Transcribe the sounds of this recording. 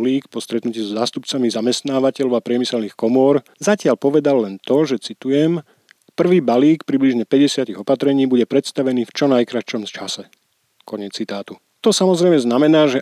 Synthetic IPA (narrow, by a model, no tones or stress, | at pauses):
liːkpɔst̪ɾɛt̪nuciːzɔzaːst̪upt͡samizamɛst̪naːʋacɛʎɔʊapɾɪɛmisɛlniːxkɔmɔɾ | zacɪaʎpɔʋɛd̪alːɛnt̪ɔʒɛt͡sit̪ujɛm | pr̩ʋiːbaliːkpɾibliʒɲɛpɛɟɛsɪat̪iɣɔpat̪ɾɛɲiːbuɟɛpɾɛt̪st̪aʋɛniːft͡ʃɔnajkɾat͡ʃɔmst͡ʃasɛ | kɔɲɛt͡st͡sːit̪aːt̪u | t̪ɔsamɔzɾɛjmɛznamɛnaːʒɛ